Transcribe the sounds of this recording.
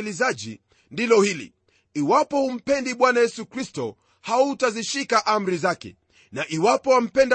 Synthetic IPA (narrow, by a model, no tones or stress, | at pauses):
lizaʄḭ | ndilɔhilḭ | iwapɔhum̩pɛndiɓwanajɛsukɾistɔ | hauːtaziʃikaʔam̩ɾizakɛ̰ | naʔiwapɔam̩pɛnd